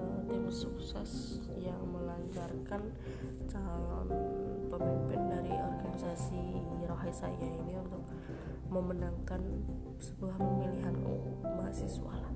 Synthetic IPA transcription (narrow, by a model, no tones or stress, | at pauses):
t̪ɛmsuksɛs | jaŋməlaɲt͡ʃarkan | t͡ʃalɔnpəmimpɪndaɾiɔrɡanisasiɾoɦasa̰jainiunt̪ʊk̚ | məmənaŋkan | səbəlahpəŋiliɦano̰maɦa̰sɛsua̰l